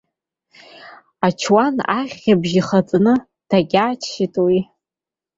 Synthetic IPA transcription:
at͡ʃʰwanaʁʲabʒiχat͡sʼnɨ | d̥aɡʲaːt͡ʃʰitʼwi

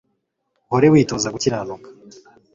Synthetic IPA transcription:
hoɾewiːto̞ːzaɡuciɾanokḁ

